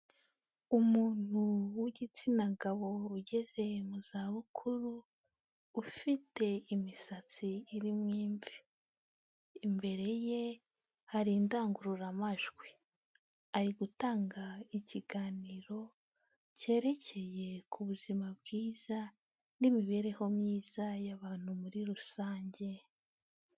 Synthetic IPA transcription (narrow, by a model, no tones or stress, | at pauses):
umuːn̥huwiɟit͡sinaɡaβo̞uɟe̞ze̞muz̥aːβukʰuɾuː | fite̞imisat͡siːɾimŋiːɱvi | mbe̞ɾe̞je̞ | haɾindaːŋɡuɾuɾamaʒɡwi | aɾiɡutaːŋɡaiciɡaːniɾo̞ | ce̞ːɾe̞cʰe̞je̞kʰuβuzimabɡiːz̥a | nimiβe̞ːɾe̞ho̞mɲiːz̥ajaβaːn̥humuɾiɾusaːɲɟe̞